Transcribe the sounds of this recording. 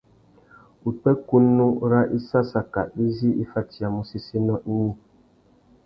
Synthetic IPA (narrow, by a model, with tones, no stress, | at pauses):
u˨k͡pɛ˦ku˦nːu˦ɾa˦ʔi˦sa˦sa˨ka̰˨ʔi˦zi˦i˦fa˦ti˨a˨mu˦si˦si˦nɔ˦ʔi˦ɲĩ˦˨